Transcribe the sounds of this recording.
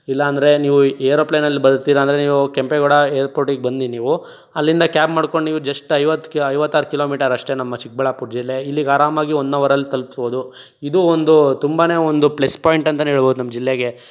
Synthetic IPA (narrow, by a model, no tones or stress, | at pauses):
ilːɐːnd̪ɐɾe̞niːʋueːɾoːplenɐlːibɐd̪ut̪ːiːɾɐːnd̪ɾeniːʋukempeɡoɽɐeːɾpoːʈiɡbɐnd̪iniːʋu | ɐlːind̪ɐkjaːbmaːɽko̞ɳɖniːʋud͡ʒɐʂʈɐjʋɐt̪ːkɐjʋɐt̪ːaːɾukiloːmiːʈɐɾɐʂʈenɐmːɐt͡ʃik̚bɐɭapuʈd͡ʒilːeilːiɡaːɾaːmaːɡiond̪ʋɐɾɐlːit̪ɐlpi̥sboːd̪u | id̪uond̪ut̪umbaːne̞ːond̪uplespaːjiɳʈɐnt̪ɐnɦeːɭboːd̪unɐmːɐd͡ʒilːeɡe̞